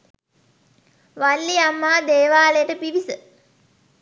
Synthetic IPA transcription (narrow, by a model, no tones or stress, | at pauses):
ʋalːiamːaːd̪eːʋaːləjəʈəpiʋisə